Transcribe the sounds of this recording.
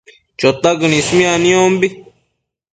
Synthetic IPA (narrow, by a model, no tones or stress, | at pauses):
t͡ʃot̪aɡnĩsmĩanĩõmbi